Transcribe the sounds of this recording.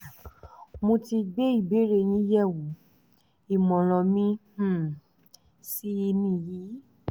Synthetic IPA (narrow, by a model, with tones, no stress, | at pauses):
mõ˧ti˧ɡ͡be˦i˦˨be˨˦ɾe˧j̃ĩ˦jɛ˦˨wu˨˦ | i˨mɔ̃˨ɾ̃ɔ̃˨mĩ˦˨ | si˦i˧nĩ˧jiː˨˦